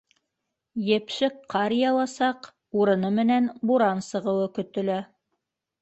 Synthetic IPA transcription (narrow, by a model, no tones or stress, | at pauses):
jɘ̆pʃɘkqːɑɾjɑlˠɑsɑq | uɾɤ̆nɤmɘ̆nænbuɾɑnsɤ̆ʁɤ̆wɤkɵ̆t̪ɘ̆læ